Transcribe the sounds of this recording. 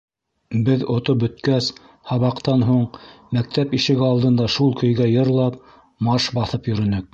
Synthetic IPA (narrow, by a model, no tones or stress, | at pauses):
bɘðŏt̪op̚bɵ̆t̪kæs | hɑβɑqt̪ɑnɦuɴmæk̚t̪æpiʃɘ̆ɡɘɑlˠd̪ɤ̆nd̪ɑʃulˠkɵ̆jɡæjɤ̆ɾlˠɑp̚ | mɑʃbɑθɤpjɵ̆ɾɵ̆nɵk̚